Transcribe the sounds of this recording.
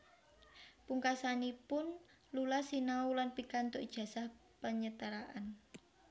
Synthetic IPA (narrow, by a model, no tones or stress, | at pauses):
puŋkasanipʊn | lulasinaulanpikant̪oʔid̥ʒ̥ä̤sahpəɲət̪əɾaʔan